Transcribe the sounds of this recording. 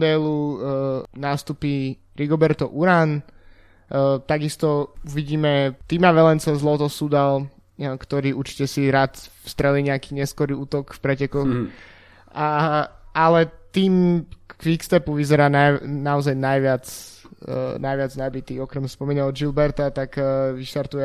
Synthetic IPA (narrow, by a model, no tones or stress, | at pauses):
d̪ɛlu | naːst̪upi | ɾiɡɔbɛɾt̪ɔʔuɾan | t̪aɡist̪ɔuʋiɟiːmɛt̪iːmaʋɛlɛnt͡sazlɔt̪ɔsud̪al | kt̪ɔɾiːuɾt͡ʃi̥cɛsiɾaːt̪fst̪ɾɛliːɲɛakiːɲɛskɔɾiuːt̪ɔkfpɾɛcɛkɔx | alɛt̪iːmkʋikst̪ɛpuʋizɛɾaːnanaɔzajnajʋɪat͡s | najʋɪad͡znabit̪iːɔkɾɛmspɔmiːnaɔʒilbɛɾt̪at̪akʋiʃt̪aɾt̪ujɛ